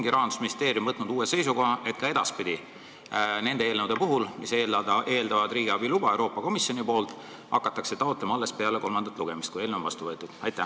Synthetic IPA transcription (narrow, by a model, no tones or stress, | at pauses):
ŋɡ̥iɾɑɦɑnd̪u̥sminist̪e̞ːɾjumvɤt̪nud̪uːese̞jsuko̞ɦɑʔe̞t̪̚kɑe̞d̪̥ɑspid̪̥i | ne̞nd̪eelnəwd̪̥epuɦulmise̞ːld̪ɑd̪ɑʔe̞ːld̪ɑvɑd̪ɾiːɡiɑbilub̥ɑe̞wɾo̞ːpːˑɑko̞misjo̞nipo̞ːlt̪ˑ | hɑ̰kːˑɑt̪ːˑɑkset̪ɑot̪lemɑɑlːe̞spe̞ɑle̞ko̞lmɑnd̪̥ɑt̪ˑluɡ̥e̞mist̪kuje̞ːlnew̪vɑ̰st̪uvɤet̪ːˑud̪̥ɑjt̪ːˑæ